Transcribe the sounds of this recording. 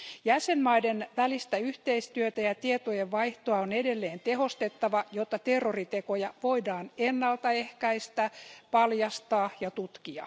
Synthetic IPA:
jæsenmɑidenʋælist̪æyht̪eist̪yøt̪æjɑt̪iet̪ojeʋʋɑiht̪oɑonedelːeːnt̪eɦo̞st̪et̪ːɑʋɑjot̪ːɑt̪erːorit̪ekojɑʋoidɑːnenːɑlt̪ɑehkæist̪æpɑljɑst̪ɑːjɑt̪ut̪kiɑ̰

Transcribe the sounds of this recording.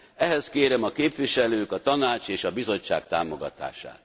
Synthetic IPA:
ɛɦɛskeːɾɛmɒkeːpʋiʃɛløːkɒt̪ɒnaːt͡ʃeːʃɒbizo̞t͡ʃːa̰ːkt̪a̰ːmo̞ɡɒ̰t̪a̰ːʃa̰ːt̪

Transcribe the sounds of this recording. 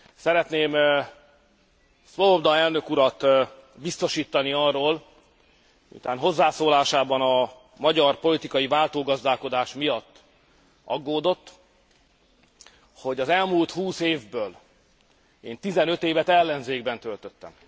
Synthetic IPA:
sɛɾɛt̪neːm | sʋoobd̪ɒɛlnø̞kuɾɒt̪ | bist̪o̞ʃiːt̪ːɒniɒrːoːl | ṵt̪aːnɦo̞zːaːsoːlaːʃaːbɒnɒ | mɒɟɒrpo̞lit̪ikɒjivaːlt̪oːɡɒzd̪aːlko̞d̪aːʃmijɒt̪ː | ɒ̰ɡːoːd̪o̞t̪ː | ho̞ɟɒzɛlmuːlt̪huːseːvbøːl | eːnt̪izɛnø̞t̪eːvɛt̪ɛlːɛnzeːɡbɛnt̪ø̞lt̪øt̪ːɛ̰m

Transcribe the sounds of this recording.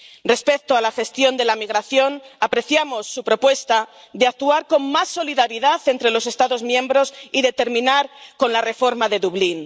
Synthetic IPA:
re̞spe̞k̚t̪oalaxe̞st̪jo̞nd̪e̞lamiɣɾaθjo̞napɾe̞θjamo̞sːupɾo̞pwe̞st̪a | ðeak̚t̪uaɾko̞ŋmasːo̞liðaɾiðaθe̞nt̪ɾe̞lo̞s̬e̞st̪aðo̞zmjẽ̞mbɾo̞siðe̞t̪e̞ɾmĩnaɾko̞nlare̞fo̞ɾmaðe̞ðuβlin

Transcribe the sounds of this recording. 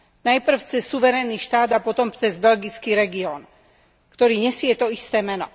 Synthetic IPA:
najpr̩ft͡sɛsːuʋɛɾɛniːʃt̪aːd̪apɔt̪ɔmpt͡sɛzbɛlɡit͡skiːɾɛɡiɔːn | kt̪ɔɾiːɲɛsɪɛt̪ɔist̪ɛːmɛnɔ̰

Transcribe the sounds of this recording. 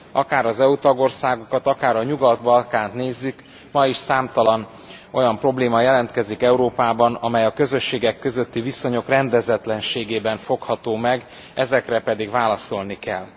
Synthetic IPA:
ɒkaːɾɒzɛut̪ɒɡo̞rsaːɡokɒt̪ɒkaːɾɒɲuɡɒt̪bɒlkaːnt̪neːzːyk | mɒiʃsaːmt̪ɒlɒn | o̞jɒmpro̞bleːmɒjɛlɛnt̪kɛzikɛuɾoːpaːbɒnɒmɛjɒkø̞zø̞ʃːeːɡɛkːø̞zø̞t̪ːiviso̞ɲo̞krɛnd̪ɛzɛt̪lɛnʃeːɡeːbɛɱfo̞khɒt̪oːmɛɡ | ɛzɛkrɛpɛd̪iɡvaːlɒso̞lnikɛ̰lː

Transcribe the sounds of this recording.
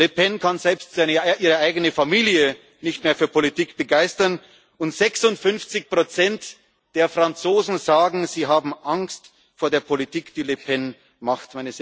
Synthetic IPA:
lepʰɛnkʰanzɛlpstz̥aɪnəʔiːʁəʔaɪɡənəfamiːljə | nɪçtmeːɐfyːɐpʰolitiːkb̥əɡaɪstɐn | ʊntz̥ɛksʊntfʏnft͡sɪçpʁ̥ot͡sɛnt | d̥eːɐfʁ̥ant͡soːzn̩zaːɡŋ̩ziːɦaːbm̩ʔaŋst | foːɐdeːɐpʰolitʰiːkd̥iːlepʰɛn | maχtmaɪnə

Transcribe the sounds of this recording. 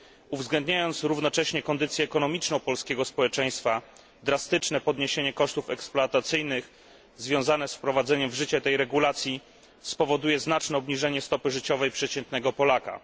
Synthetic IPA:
uvzɡlɛnd̪ɲajɔnt̪sɾuvnɔt͡ʂɛɕɲɛkɔnd̪ɘt̪sʲjɛːkɔnɔmʲit͡ʂnɔ̃w̃pɔlskʲɛɡɔspɔwɛt͡ʂɛj̃st̪fa | d̪ɾast̪ɘt͡ʂnɛpɔd̪ɲeɕeɲɛkɔʂt̪ufɛksplɔat̪at̪sɘjnɘx | zvʲjɔ̃w̃zanɛsfpɾɔvad̪zɛɲɛmvʐɘt͡ɕɛt̪ɛjɾɛɡulat̪sʲji | spɔvɔd̪ujɛznat͡ʂnɛɔbɲiʐɛɲɛst̪ɔpɘʐɘt͡ɕɔvɛjpʂɛt͡ɕɛnt̪nɛɡɔpɔlaka̰

